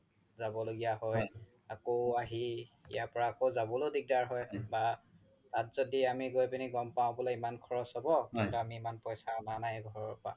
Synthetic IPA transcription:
zabɔloɡijaɦɔj | akoaɦiḭjapɔɹaːkozabɔlodik̚daɹɦɔjba | tatz̥odiamiɡojpiniɡɔmpãʊ̃bɔlɛimankʰɔɹɔsɔbɔkɛ̃ntuamiːmanpɔjsananajɡʱɔɹɔɹpa̰

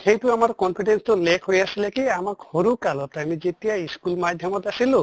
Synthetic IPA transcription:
kejʈuamaɾkɔmpʰiʈenst̪olekʰɦojasilekiamakhoɾukalɔt̪aamid͡ʒet̪iaiskulmad̪ʱjɔmɔt̪asilo

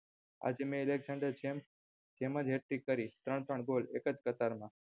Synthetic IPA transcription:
a̰d͡ʒemẽɪleɡzãɳɖəɾd͡ʒem | d͡ʒemə̃d͡ʒɦeʈikəɾit̪ɾəɳt̪ɾəɳɡolekəd͡ʒkət̪aɾmã

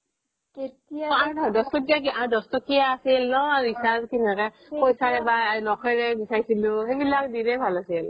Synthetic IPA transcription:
ketiaaɹdʱɔdɔstɔtiakiaɹdɔstɔkijaːsilnɔaɹisazkinɛkɛ | pojsaɹɛbalɔkʰɔjɹɛbisaɹjsilʊxebilak̚diɹɛbʱalasil

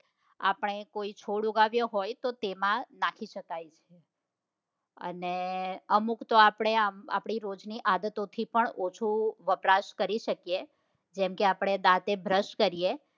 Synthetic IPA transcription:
a̰pəɳ̃ekoit͡ʃʰoɽuɡaʋjõɦojt̪ot̪emãnakʰiʃəkajt͡ʃʰe | ə̰neəmukt̪oapɳ̃eama̰pɳ̃iɾod͡ʒniʔad̪ət̪ot̪ʰipəɳot͡ʃʰuʋəpɾaʃkəɾiʃəkije | d͡ʒɛmkeapɽ̃ed̪at̪ebʱɾəʃkəɾije

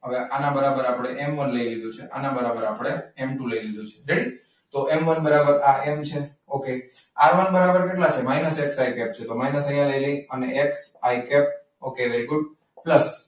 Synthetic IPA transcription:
ɦəʋeʔanabəɾabəɾapəɽ̃eʔɛmʋənləilid̪ũt͡ʃʰeʔa̰nabəɾabəɾapɽ̃eemʈũləilid̪ũt͡ʃʰeɾeɽi | t̪oʔemʋənbəɾabəɾaʔemt͡ʃʰe | oke | aɾʋənbəɾabəɾkeʈlat͡ʃʰemainəseksaikɛp̚t͡ʃʰet̪omainəsəjãləiləiəneʔeksaikɛp̚ | okeʋeɾiɡʊɖ̚ | pləs

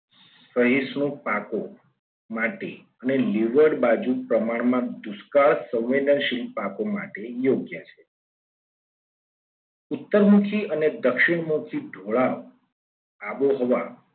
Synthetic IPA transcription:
ssʋəɦisnũpako | maʈe | əneliʋəɽbad͡ʒupɾəmaɽmãd̪uskaɭsə̃wʋed̪ənʃilpakoma̰ʈejoɡjət͡ʃʰe | ʊt̪ːəɾmukʰiʔəned̪əkʃɪɳmukʰiɖʱoɭaʋ | aboɦɔʋa

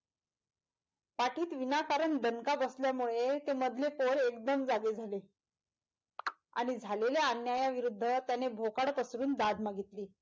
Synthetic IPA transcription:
paʈiːt̪ʋinakaɾəɳd̪ʱənkabəsljamuɭet̪eməd̪ʱlepoɾekd̪əmd͡zaɡed͡zʱale | a̰ɽ̃id͡zʱaleleanjajaʋiɾud̪ʱːət̪janebʱokaɽpəsɾuːnd̪ad̪ʱmaɡʱit̪liː

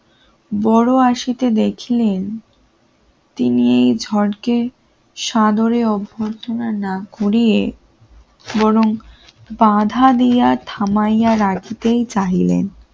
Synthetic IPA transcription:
bɔɽoaʃit̪ed̪ekʰilen | t̪iniejd͡ʑʱɔɽke | ʃad̪oɾeɔbʱːot̪ʰonanakoɾije | bɔɾoŋ | bad̪ʱad̪ijat̪ʰamajaɾakit̪ejt͡ɕaɦilḛn

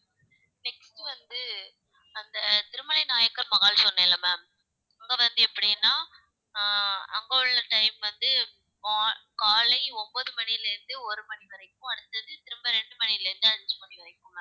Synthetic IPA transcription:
nɛksʈɯʋɐnd̪ɯ | ɐnd̪ɐt̪ɪɾɯmɐnɐɪnaːjɐkːɐɾmɐɣaːlsɔnːɐɪlːɐmaːm | ɐŋɡɐʋɐnd̪ɯɛpːɐɽɪjnːaː | ɐ̰ŋɡɐʊɭːɐʈɐɪmʋɐnd̪ɯ | maːkaːlɐɪɔmboːðɯmɐnijlɐɾɯnd̪ɯɔɾɯmɐniʋɐɾɐɪkːʊ̃ɐɽɯt̪ːɐðɯt̪ɪɾɯmbɐɾɛɳɖɯmɐnilɐɾɯnd̪ɯɐnd͡ʒɯmɐɳiʋɐɾɐɪkːɯ̃ma

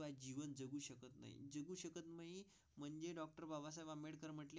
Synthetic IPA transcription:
ad͡ʑiʋənd͡zəɡuːɕəkət̪na̰ɦḭd͡zəɡuːɕəkət̪məɦi | m̤əɳd͡ʑeɖɔk̚ʈəɾbʱabas̬ajʋameɽkəɾm̤əʈle

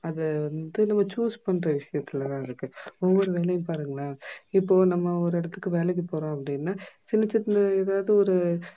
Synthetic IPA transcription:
ɐðɛʋɐnd̪ɯnɐmːɐt͡ʃuːspɐɳːɾɐʋɪʂɐjɐt̪ːɪlɐt̪ãːɪɾɯkːɯɔʋːɔɾɯʋeːlɛjɐ̃mpaːɾɯŋɡɐɭaːɪpːoːnɐmːɐɔɾɯɪɽɐt̪ːɯkːɯʋeːlɛk̬ːɯpoːɾõːɐp̬ːɐɽɪnːaːt͡ʃɪnːɐt͡ʃːɪʈnɯeːðaːʋðɯɔɾɯ

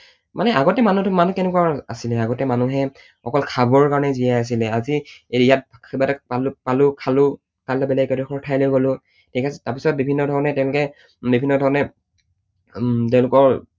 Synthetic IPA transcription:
manɛʔaɡɔtɛmanutʊmanukɛnɛkwaasilɛaɡɔtɛmanuɦɛ | xɔkɔlkʰabɔɹkaɹɔnɛzijɛas̬ilɛazijat̚ʰɛbatɛpalpalʊkʰalʊ | kalɔbɛlɛɡɛtxʰɔɹtʰajlojɡolʊ̃ | tʰikastapisɔt̚bibʱinːɔdʱɔɹɔnɛtɛʊ̃lʊkɛ | bibʱinːɔdʱɔɹɔnɛ | tɛ̃ʊ̃lʊkɔɹ

